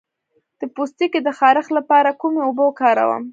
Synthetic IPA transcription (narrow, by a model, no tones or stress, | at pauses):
d̪̥əpust̪iked̪əxɑɾəxlapɑɾakumeobəkɑɾa̰wə̰m